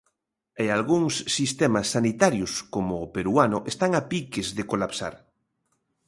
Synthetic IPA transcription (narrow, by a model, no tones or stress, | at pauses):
ealɣuŋsːist̪ɛmasːanit̪aɾjʊskomʊːpeɾuanʊʔest̪aŋapikezðekolapsa̰ɾ